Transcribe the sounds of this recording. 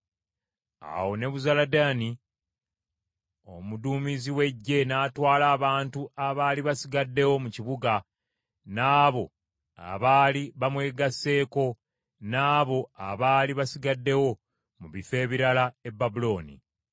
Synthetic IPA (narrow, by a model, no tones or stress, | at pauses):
a̰wo̞ne̞βuzaladaːni | o̞̰muduːmiziwe̞ɟːe̞naːtwaːlaːβaːntuʔaβaːliβasiɡadːe̞wo̞muciβuɡa | naːβo̞ | a̰βaːliβamwe̞ːɡasːe̞ːko̞ | naːβo̞aβaːliβasiɡadːe̞wo̞ | muβife̞ːβiɾalae̞bːabulo̞ːnḭ